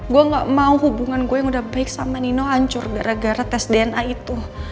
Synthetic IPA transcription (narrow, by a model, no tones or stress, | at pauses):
ɡuaŋɡaʔmauɦubuŋanɡuajaŋudahbaɪk̚samaninoaɲt͡ʃʊrɡaɾaɡaɾat̪ɛsdeɛnait̪u